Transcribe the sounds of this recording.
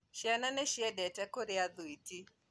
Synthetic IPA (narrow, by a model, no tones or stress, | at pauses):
ʃiananɛʃiɛdɛtɛkoɾiad̪uiti